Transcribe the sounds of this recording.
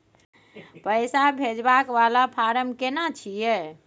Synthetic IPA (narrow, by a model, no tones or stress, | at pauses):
pəjsabʱed͡ʒbakʋalapʰaɾəmkenat͡ʃʰijɛ